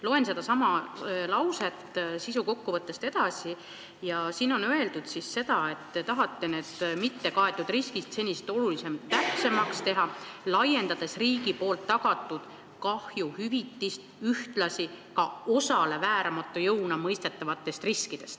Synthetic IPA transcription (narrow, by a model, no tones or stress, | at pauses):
lo̞ense̞d̪ɑsɑmɑlɑwse̞t̪ːˑsisuko̞kːuvɤt̪ˑːe̞st̪e̞d̪̥ɑsi | jɑsiːno̞nøe̞ld̪ud̪̥sisːe̞d̪̥ɑe̞t̪ːet̪ɑɦɑt̪ːe̞ne̞ːd̪̥mit̪ːe̞kɑe̞t̪ːˑud̪̥riskist̪se̞nʲːist̪o̞lulise̞mtt̪ːæpse̞mɑkst̪e̞ɦɑlɑje̞nd̪ɑd̪̥e̞sriːɡ̥ipo̞ːlt̪ːɑɡ̥ɑt̪ːˑud̪̥ | kɑhjuhyvit̪ːist̪yht̪lɑsikɑo̞sɑle̞væːɾɑmɑt̪ːˑujɤwnɑmɤjst̪e̞t̪ːˑɑvɑt̪ːˑe̞st̪riskid̪̥e̞st̪